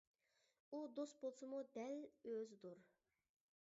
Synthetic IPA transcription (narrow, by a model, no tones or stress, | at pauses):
ud̪ost̪̚bolˠsɨmud̪ɛløzd̪uɾ